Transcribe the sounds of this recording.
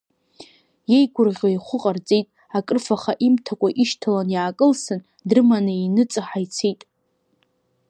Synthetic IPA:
je̞jɡʷʊrʁʲajχʷʊqʼart͡sʼe̞jtʼ | akʼrfaχaʔimtʰakʷʼaʔiʃtʰalanjaːkʼɨlsɨn | drɨmanainɨt͡sʼɨħajt͡sʰejtʼ

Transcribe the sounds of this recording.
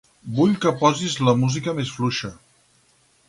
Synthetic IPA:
buʎkəpɔzizləmuzikəmesfluʃə

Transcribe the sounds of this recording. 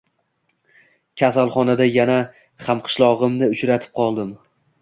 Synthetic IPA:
kʲʰasalˠχɒnad̪ajana | χamqʰɨ̥ʃlˠɒʁɨmnɪʊt͡ʃɾat̪ʰɪ̥p̚qʰɒlˠd̪ɪm

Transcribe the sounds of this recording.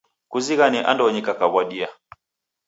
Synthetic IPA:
kuziɣaniʔa̰ndɔɲikakaβwaɗia

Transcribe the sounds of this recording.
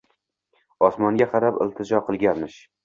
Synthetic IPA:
ɒsmɒŋɡʲaqʰɑɾapɪ̰lˠt̪ʰɪd͡ʒɒqʰɨlˠɡʲanmɪʃ

